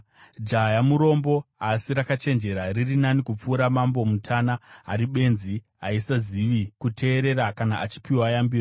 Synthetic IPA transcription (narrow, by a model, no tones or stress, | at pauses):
d͡ʒajamuɾo̞mbo̞asiɾakat͡ʃe̞nd͡ʒe̞ɾaririnanikup͡fuːɾamambo̞mutʰanaa̰ɾiɓe̞nzi | aisaziʋikutʰe̞ːɾe̞ɾakanaʔat͡ʃi̥piwajambiːo